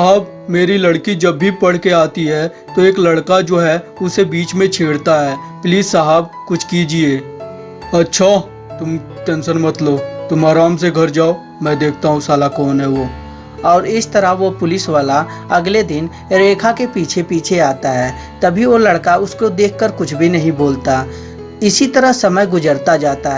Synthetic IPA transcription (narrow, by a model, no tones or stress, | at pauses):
ɦəb | meːɾiləɽkid͡ʒɐbːipɐɽ̤keaːt̪iɦɛː | t̪oeːklɐɽkad͡ʒoːɦɛʊsebiːt͡ʃmẽt͡ʃʰeːɽt̪aɦɛː | pliːaɦab̚ | kʊt͡ʃʰkid͡ʒieː | ɐtːʃʰa | t̪ʊm | ʈɛ̃ːnʃənmɐt̪lobt̪ʊmaːɾaːmseɡʱɐɾd͡ʒaːo | mɛ̃d̪eːk̚ʰt̪aɦũsaːlakɔːnɦɛʋoː | ɔːɾɪst̪əɾəɦʋopʊlɪsʋaːla | ɐɡled̪ɪn | ɾeːkʰakepiːt͡ʃʰepiːt͡ʃʰeaːt̪aɦɛː | t̪ɐbʱiʋolɐɽkaʊskod̪eːkʰːəɾkʊt͡ʃʰbʱinɐɦĩboːlt̪a | ɪsit̪əɾəɦsɐməjɡʊd͡ʒəɾt̪ad͡ʒaːt̪aɦɛ